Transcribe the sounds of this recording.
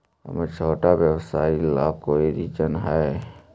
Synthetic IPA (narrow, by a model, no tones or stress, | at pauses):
ɦə̰met͡ʃʰoːʈaʋjəwsaːilaːb̚koːiɾid͡ʒənɦɛ